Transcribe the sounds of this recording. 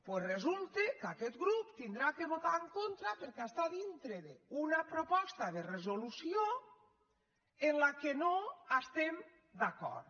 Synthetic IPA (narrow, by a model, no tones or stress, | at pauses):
pwezrezulˠt̪ekakɛt̪ɡɾupt̪ind̪ɾakeβot̪aeŋkont̪ɾapeɾkeɛst̪aðint̪ɾeðeunapɾopɔst̪aðerezolusio | enlakenoast̪em | d̪akɔ̰ɾt̪